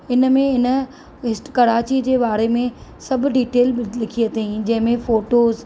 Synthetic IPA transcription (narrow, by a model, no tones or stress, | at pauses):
ɪnəmẽɪnə | ɦɪsʈkɐɾaːt͡ɕid͡ʑeːbaːɾemẽsɐbʱʊɖiːʈeːlbɪlɪkʰiət̪ɐɦĩd͡ʑɐ̃ɦɪ̃mẽfoːʈoːz